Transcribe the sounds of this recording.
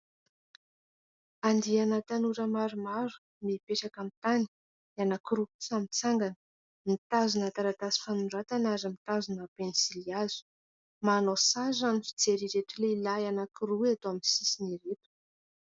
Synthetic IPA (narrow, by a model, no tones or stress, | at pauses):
and̪ianat̪anuɾəmaɾumaɾu̥ | mipeʈ͡ʂakamt̪ani̥ | anakiɾusamit͡saŋɡanə̥ | mit̪azunat̪aɾat̪asi̥fanunɖ͡ʐat̪anazəmit̪azunapenisiliaz̥u̥ | manosazanifi̥t͡seɾiɾeʈ͡ʂileilajanakiɾuat̪oamisisiniɾet̪u̥